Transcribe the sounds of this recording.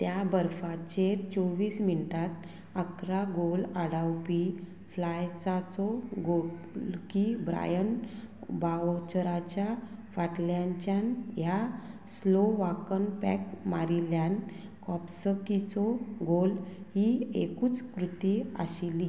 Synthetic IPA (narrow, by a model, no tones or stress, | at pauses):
t̪jabəɾfat͡ɕet͡sɔʋiːsminiʈat̪ | əkɾaɡolaɽawpi | flajsat͡sɔɡokibɾa̰jənbaʋt͡ɕəɾat͡ɕjafaʈljaɲt͡ɕjanjasloʋakənpɛ̰k̚maɾiljãn | kɔpsəkit͡sɔɡolhiḛkuːt͡skɾut̪ia̰ɕili